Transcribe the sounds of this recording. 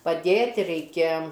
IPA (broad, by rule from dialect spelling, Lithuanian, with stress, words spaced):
pɐˈdʲeːtʲ rʲɛɪˈkʲɛ